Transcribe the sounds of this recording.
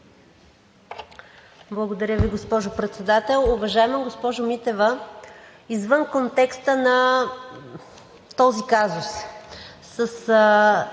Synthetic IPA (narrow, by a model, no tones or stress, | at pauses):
blˠɐɡod̪ɐɾʲəviɡospɔʒʊpɾɛt̪sɛd̪at̪ɛlˠʊvɐʒaɛməɡospɔʒʊmit̪ɛvə | izvənkont̪ɛkst̪ənɐ | t̪ɔzikazʊs | səs